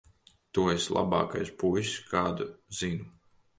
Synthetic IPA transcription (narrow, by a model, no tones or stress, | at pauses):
t̪ueslˠa̰bɑ̰ːkajspujskaːd̪uzinu